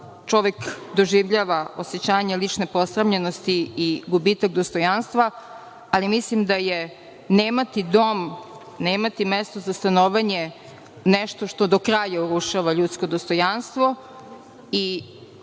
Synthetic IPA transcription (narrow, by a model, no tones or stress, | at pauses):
t͡ʃo̞ʋekd̪o̞ʒiʋʎaːʋao̞set͡ɕaːɲelit͡ʂnepo̞sɾamʎeno̞st̪iːɡubit̪akd̪ost̪o̞janst̪ʋa | alimislimd̪aje | neːmat̪id̪o̞m | neːmat̪imɛst̪o̞zast̪anoʋaɲe | nɛʃt̪o̞ʃt̪o̞d̪o̞kɾaːjauɾuʃaʋaʎut̪sko̞d̪ost̪ojanst̪ʋo̞ | i